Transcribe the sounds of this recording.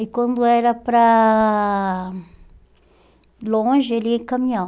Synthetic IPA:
ikwɐ̃nd̪ʊɛɾɐpɾɐ | lõʒɪeliɛkɐmĩɲɐ̃

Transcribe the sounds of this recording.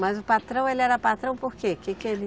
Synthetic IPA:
mɐzʊpat̪ɾɐ̃w̃elɪɛɾɐpat̪ɾɐ̃w̃poɾkekɪkeɾi

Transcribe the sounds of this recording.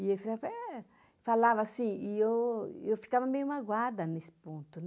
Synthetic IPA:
iefizavpɛ | falavɐsĩiewewfi̥kavɐmejũmaɡwaɾd̪ɐnesɪ̥põnt̪ʊnɛ

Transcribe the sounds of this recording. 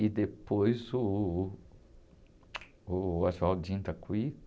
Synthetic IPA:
ɪd̪epojzʊ | aʒawd͡ʒĩnt̪ɐkui

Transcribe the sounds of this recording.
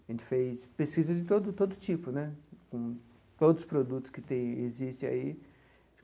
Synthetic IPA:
ɐʒẽnt͡ʃ̪ɪ̥fespeskizɐd͡ʒɪt̪od̪ʊt̪od̪ʊt͡ʃipʊnɛkõ | t̪od̪ʊzspɾod̪ut̪ʊ̥skɪt̪ẽj̃ezist̪ɪ̃a̰i

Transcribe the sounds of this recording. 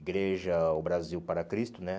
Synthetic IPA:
ɡɾeʒɐʊbɾaziwpaɾɐkɾist̪ʊnɛ

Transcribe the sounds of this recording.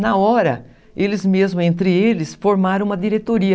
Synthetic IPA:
nɐɔɾɐ̰ | elɪzmezmʊẽnt̪ɾɪelɪsfoɾmaɾɐ̃ũmɐd̪iɾet̪oɾiɐ

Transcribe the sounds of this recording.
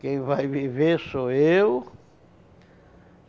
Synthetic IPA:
kẽj̃vajvivesoew

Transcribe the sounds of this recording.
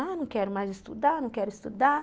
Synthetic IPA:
anɐ̃w̃kɛɾʊmajzɪst̪ud̪anɐ̃w̃kɛɾʊist̪ud̪a

